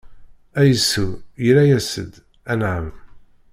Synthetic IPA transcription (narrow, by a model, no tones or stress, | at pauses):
æjəsujəɾæjæsə̰d̪ | ænʕəm